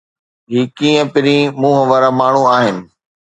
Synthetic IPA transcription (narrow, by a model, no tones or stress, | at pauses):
ɦiːkĩːə̃pɪɾĩmũːɦəʋəɾamaːɳ̤uaːɦɪnɪ̆